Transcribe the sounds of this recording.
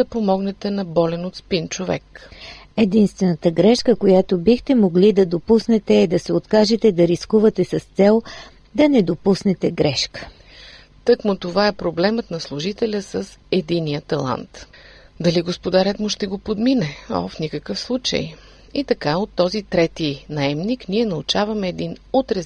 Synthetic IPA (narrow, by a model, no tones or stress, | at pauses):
d̪ɐpomɔɡnɛt̪ɛnɐbɔlɛnot̪spint͡ʃovɛ̰k | ɛd̪inst̪vɛnət̪əɡɾɛʃkəkojat̪obixt̪ɛmoɡlid̪ɐd̪opusnɛt̪ɛːd̪ɐsɛot̪kaʒɛt̪ɛd̪ɐɾiskuvɐt̪ɛsɐst̪sɛlˠ | d̪ɐnɛd̪opusnɛt̪ɛɡɾɛʃkə̥ | t̪ɤkmot̪ovaɛpɾoblɛmət̪nɐslˠuʒit̪ɛlʲəsəsɛd̪inijət̪ɐlˠa̰nt̪d̪ɐliɡospod̪aɾɛt̪moʃt̪ɛɡopod̪minɛɔ̰fnikəkəfslˠut͡ʃə̰j | it̪ɐkaot̪ːɔzit̪ɾɛt̪inɐɛmnikniɛnɐut͡ʃavɐmɛːd̪inot̪ɾɛ